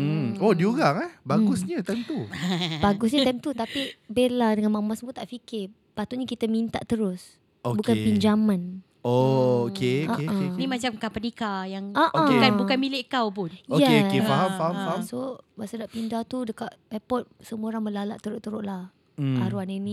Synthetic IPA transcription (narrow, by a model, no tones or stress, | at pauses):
odiuɾaŋɛhbaɡʊsɲət̪amt̪ubaɡʊs̬ɲət̪amt̪ut̪apibeladəŋanmãmasəmut̪aʔfikɪ | pat̪ʊʔɲakit̪əmint̪a̰ʔt̪əɾʊs | obukanpiɲd͡ʒamãn | ookeoaʔãenimat͡ʃamkapənikajaŋʔoaekabukanmilɪʔkawpʊnojɛkeokeffaɦamfaɦamfaɦamsobaʔsadaʔpindat̪udəkaʔɛpɔt̪̚səmuoɾaŋməlala̰ʔt̪əɾʊʔt̪əɾʊʔlah̩ | a̰ɾuanani